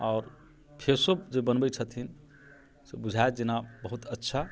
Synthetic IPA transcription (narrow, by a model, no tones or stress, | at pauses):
ɔːɾ | pʰeɾsəbd͡ʒebənbət͡ʃʰət̪ʰin | sebud͡ʒʱaet̪d͡ʒinabəɦut̪ətːʃʰa